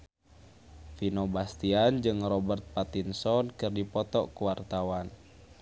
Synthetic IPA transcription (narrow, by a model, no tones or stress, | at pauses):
finobast̪iand͡ʒɨŋrɔbərt̪̚pat̪insɔnkɨrdipɔt̪ɔkuwart̪awan